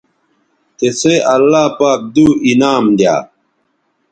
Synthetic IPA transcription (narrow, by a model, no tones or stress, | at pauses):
t̪eseʔɐlːaːpaːk̚d̪uːinaːmd̪ja̰ː